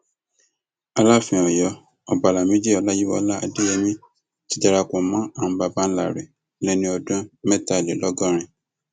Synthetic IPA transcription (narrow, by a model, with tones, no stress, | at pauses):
a˧la˦˨fĩ˧˨ɔ̃˨jɔ˧ | ɔ˨ba˨la˨mĩ˨˦d͡ʒi˦ɔ˨˧la˦ji˦wɔ̰˧˦la˦a˧de˦ɛ˧mĩ˦ | ti˦d͡ʒa˧ɾa˧kɔ̃˨mã˦a˨m̩̃˦ba˧ba˦n̩˦la˦˨ɾe˨˦ | lɛ̃˦nĩ˦ɔ˧dɔ̃˦mɛ˦ta˨le˨lɔ˦ɡɔ̃˦ɾ̃ĩ˧